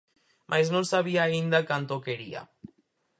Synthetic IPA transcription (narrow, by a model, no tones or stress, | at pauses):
mʔajznõnsaβ̞iaːind̪akant̪okeɾia̰